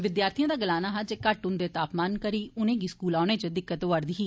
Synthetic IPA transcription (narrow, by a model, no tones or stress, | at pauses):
ʋɪd̪jaːɾt̪ʰijãːd̪aːɡəlaːnaːɦad͡ʒeːkəʈʊ̃nd̪eːt̪aːpmaːnkəɾiːʊnẽːɡiːskuːlaːɽ̃eːt͡ʃəd̪ɪkːət̪oʋəɾd̪iːɦiː